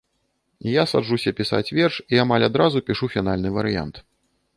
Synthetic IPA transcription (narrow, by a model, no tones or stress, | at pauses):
jasa̰d͡ʐusʲɐpʲisa̰t͡sʲvʲɛrʂiamalʲad̪ɾazupʲiʂufʲin̪alʲnɨvɐɾɨja̰nt̪